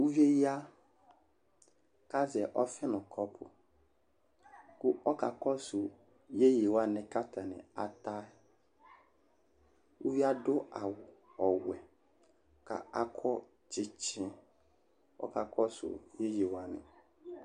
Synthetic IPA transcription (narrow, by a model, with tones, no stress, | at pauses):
u˦vi˦e˦ji˦a˦ | ka˦zɛ˨ʔɔ˦fɪ˦nʊ̃˨kʰɔ˦pʰʊ̰˨ | kʊ˦ɔ˦ka˨kɔ˦sʊ˨ | je˦je˨wa˨nɪ̃˨ka˦ta˨nɪ̰˨a̰˨ta˦ | u˦vi˦a˦dʊ˦a˨wɔ˨wɛ˨ | ka̰˨a˦kʰɔ˦ | t͡ʃɪ˦t͡ʃʰɪ̃˦ | ɔ̰˦ka˨kʰɔ˦sʊ̰˨je˦je˨wa˨nɪ̰̃˨